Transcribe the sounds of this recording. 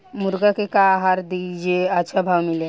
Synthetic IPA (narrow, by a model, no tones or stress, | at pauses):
mʊɾɡakekaɦaɾd̪id͡ʒeətːʃʰabʱaʋmɪle